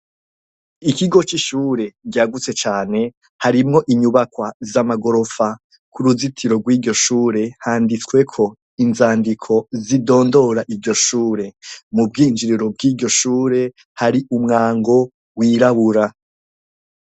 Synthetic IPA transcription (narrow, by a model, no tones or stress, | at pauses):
ikiɡo̞t͡ʃiʃuːɾe̞ɟaːɡut͡se̞t͡ʃaːne̞ | haɾimŋo̞ʔiɲuβakwazamaɡo̞ɾo̞fa | kuɾuzitʰiɾo̞ɡwiːɾɟo̞ʃuːɾe̞haːndit͡swe̞kʰo̞ | inzaːndikʰo̞zido̞ːndo̞ɾaʔiɾɟo̞ʃuːɾe̞mub̚ɡiːnd͡ʒiɾiɾo̞b̚ɡiːɾɟo̞ʃuːɾe̞ | haɾiʔumŋaːŋɡo̞ | wiɾaβuɾa